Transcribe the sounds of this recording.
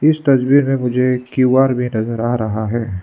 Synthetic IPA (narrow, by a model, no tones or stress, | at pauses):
ɪst̪ɐsbiːɾmẽmʊd͡ʒʱekiwaːɾbʱinɐzəɾaːɾɐɦaɦɛː